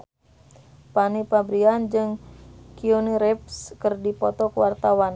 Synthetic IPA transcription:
panipabɾiand͡ʒɨŋkioniɾɛp̚skərdipɔt̪ɔkəwart̪awan

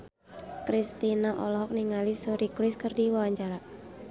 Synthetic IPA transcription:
kɾist̪inaʔɔlɔɦɔk̚niŋalisuɾikɾɪskərdiwawaɲt͡ʃaɾa

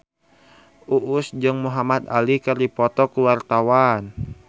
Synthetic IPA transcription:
ʔuʔʊsd͡ʒɨŋmuɦamat̪a̰likəripɔt̪ɔkluart̪awan

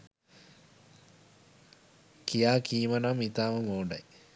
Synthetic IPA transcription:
kijaːkiːmənamit̪aːməmoːɖɐ̰j

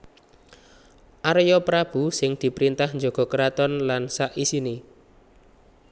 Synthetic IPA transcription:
ʔaɾjɔpɾab̥ṳsɪŋd̪̥i̤pɾint̪ahɲd͡ʒo̤ɡ̥ɔ̤kəɾat̪ɔnlansaʔisini

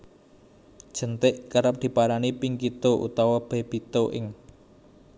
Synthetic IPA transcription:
d̥ʒ̥ə̤nt̪ɪʔkəɾəp̚d̪̥i̤paɾanipiŋkit̪oʔṵt̪awab̥ɛb̥i̤t̪oʔɪ̰ŋ

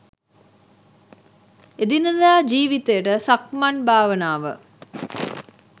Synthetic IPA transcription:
ed̪inəd̪aːd͡ʒiːʋit̪ejəʈəsakmanbʱaːʋənaːʋə̰

